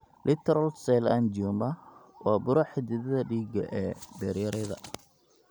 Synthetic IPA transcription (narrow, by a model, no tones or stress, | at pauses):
lʔɪt̪ʰɛɾɐlsɛland͡ʒɔmɐwɑːbʊɾɐħɪd̪ɪðɐðɐɖiːɡɐ̰ʔɛːbɛɾjɐɾɛðɐ